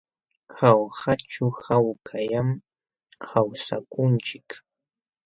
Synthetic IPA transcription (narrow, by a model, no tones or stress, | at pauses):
xawsat͡ʃʊhawkʰajam | kʰawsa̰kʊnt͡ʃɪk